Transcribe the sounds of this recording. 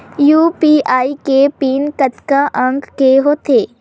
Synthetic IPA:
juːpiʔaːikepiːnkət̪kaʔə̃ŋɡkeɦoːt̪eː

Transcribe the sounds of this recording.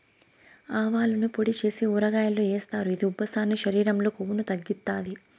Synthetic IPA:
aːʋaːlɐnupoɽit͡ʃe̞ːsiuːɾɐɡaːjɐloeːst̪aːɾuid̪iubʱːɐsaːnːiʃɐɾiːɾɐmlo̞ːkoʋunut̪ɐɡːit̪ːaːd̪i

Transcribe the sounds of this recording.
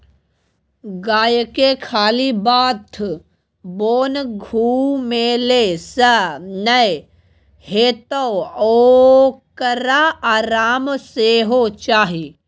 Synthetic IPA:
ɡaːjkekʰaːlibaːt̪ʰ | boːnɡʱuːmelesənɐj | heːt̪owoːkəɾaaːɾaːmseːɦot͡ʃaːɦi

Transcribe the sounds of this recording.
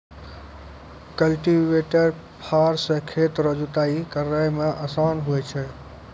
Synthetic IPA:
kəlʈiʋeʈəɾ | pʰaːɾsə̃kʰeːt̪ɾəd͡ʒut̪aːikəɾaːjmẽʔɐsaːnɦuet͡ʃʰɛ

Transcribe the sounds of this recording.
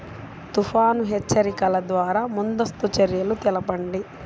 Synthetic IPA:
t̪upʰaːnuɦɛt͡ʃːɐɾikɐlɐd̪ʋaːɾaːmund̪ɐst̪ut͡ʃɐɾjɐlut̪ɛlɐpɐɳɖi

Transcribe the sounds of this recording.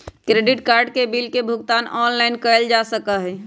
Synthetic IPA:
kɾeːɖɪʈkaːɾɖkebilkebʱʊɡt̪aːnɔːnlaɪnkəld͡ʒasəkaɦɛ

